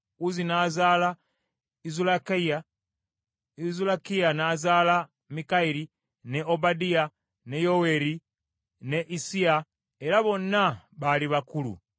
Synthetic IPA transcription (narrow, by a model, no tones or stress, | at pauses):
uzinaːzala | izulaka | izulakijanaːzaːla | mikaiɾi | neobadia | ne̞jowe̞ɾi | ne̞ʔisia | eɾaβo̞nːaβaliβakulṵ